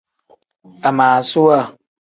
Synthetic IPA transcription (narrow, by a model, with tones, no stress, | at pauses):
a˨maː˨su˦wa˦˨